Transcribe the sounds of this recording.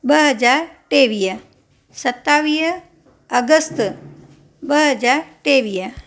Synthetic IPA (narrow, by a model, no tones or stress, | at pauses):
bəɦəd͡ʒaɾʈeʋiə | sət̪ːaʋiɦ | əɡəst̪ | bəɦəd͡ʒaɾʈeʋiə